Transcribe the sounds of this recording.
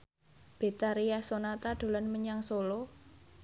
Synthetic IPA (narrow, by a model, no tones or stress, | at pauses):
b̥e̤t̪aɾijasonat̪aɖ̪̥o̤lanməɲaŋsolo